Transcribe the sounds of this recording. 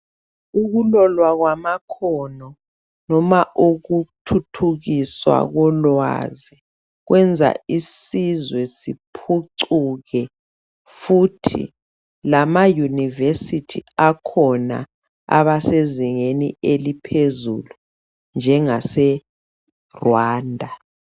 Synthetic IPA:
uɣulɔlwaɣwamakʰɔnɔ | nɔmaʔuɣutʰutʰuɣiswa̰ɣɔlwa̰zi | ɣwʔɛnd͡zʱa̰isizwɛsipʰuǀuɣɛ | futʰḭ | lamajunivesitʰiakʰɔna̰ | a̰βaseziŋenielipʰezṵlu | nd͡ʒʱɛŋasɛ | rwaːndʱa

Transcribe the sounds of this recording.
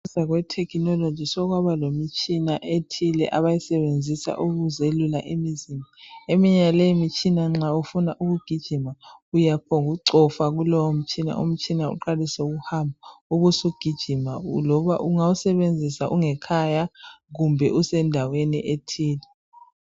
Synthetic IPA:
zaɣwɛtʰɛkʰinɔlod̥ʒ̥ʱisɔɣwaβalomit͡ʃʼʰinaʔetʰilɛ̰ʔaβajisɛβend͡zʱisa̰ʔuɣuzelulaʔemizimaemiɲaleimit͡ʃʰʼinaŋ͡ǁaufunaʔuɣuɡ̥ʱid̥ʒ̥ʱimaujapʰɔŋuǀɔfaɣulɔwom̩t͡ʃʼina̰ʔṵm̩t͡ʃʼʰinaṵǃalisɛuɣuhambʱauɣusoɡ̥ʱid̥ʒ̥ʱimalɔβaʔuŋausɛβend͡zʱisaʔuŋɛkʰajaɣumbʱɛ̰ʔusɛndʱawenḭʔetʰiːlɛ

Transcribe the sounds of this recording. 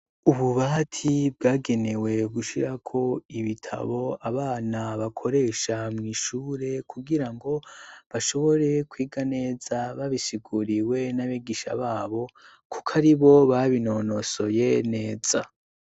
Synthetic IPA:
uβuβatʰibɡaːɡe̞ne̞we̞ɡuʃiɾakʰo̞iβitʰa̰βo̞aβaːnaβakʰo̞ɾe̞ːʃamŋiːʃuːɾe̞kʰuɡiɾaŋɡo̞βaʃo̞βo̞ɾe̞kwiːɡane̞ːz̥aβaβisiɡuɾiwe̞naβiɡiʃa̰βaːβo̞ | kukʰaɾiβo̞βaβino̞no̞so̞je̞ne̞ːz̥a

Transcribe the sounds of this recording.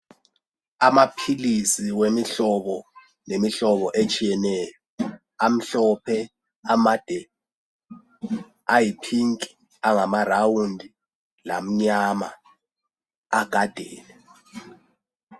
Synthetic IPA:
amapʰilisiwemiɬɔβɔ | nemiɬɔβɔʔet͡ʃʼijɛnɛːjɔ | am̩ɬɔpʰɛ | amad̥ʱɛ | ajipʰiŋkʼi̥ | aŋamarawundʱi | la̰m̩ɲama̰ | aɡ̥ʱad̥ʱɛːlɛ

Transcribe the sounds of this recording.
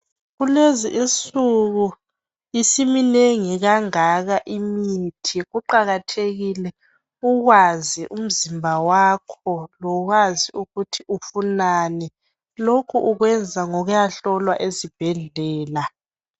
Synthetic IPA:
ɣuleziʔint͡sʼuɣu | isimineŋiɣaŋaɣaʔimitʰiɣuǃaɣatʰeɣilɛ | uɣwaziʔum̩zimbʱawaːkʰɔlɔɣwaziuɣutʰiʔufunaːnɛ | lokʰuʔuɣwɛnd͡zʱaŋɔɣujaɬɔlwaʔezib̥ʱɛɮɛːla

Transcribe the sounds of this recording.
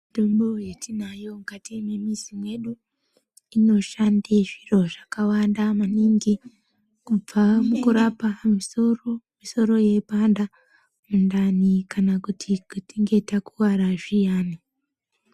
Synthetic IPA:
mitombo̞jetinajo̞mukatime̞misimwe̞ɗu | ino̞ʃandeʐiro̞ʐakawandamaniŋɡi | kub͡vamukuɾapamisoromiso̞ɾo̞je̞panda | mundanikanakutʰikutiŋɡe̞takuwaɾaʐijaːni

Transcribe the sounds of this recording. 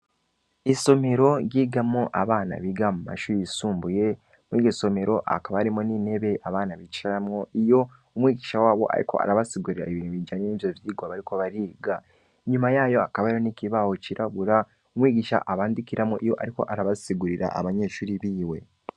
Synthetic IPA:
iso̞me̞ɾo̞ɾjiːɡamoʔaβaːna̰βiɡamuma̰ʃuːɾisuːmbuje̞ | mwiɡeso̞me̞ɾo̞ʔa̰kaβaaɾimonine̞βe̞ʔaβaːnaβit͡ʃaamŋoijo̞ | umwiːɡiːʃawaːβo̞̰ʔa̰ɾḭko̞̰a̰ɾaβasiɡuɾiɾa̰eβiːnhuβid͡ʒaːɲeniːvjovjiːɡwaβaɾiko̞βaɾiːɡa | eɲumajaːjo̞akaβaiɾoniciβahociɾʔaβuɾa | umwiːɡiːʃa̰ʔaβaːndikiɾʔamoʔijo̞̰ʔa̰ɾiko̞̰ʔaɾaβasiɡuɾiɾa̰ʔa̰βaɲe̞ːʃuːɾiβiːwe̞

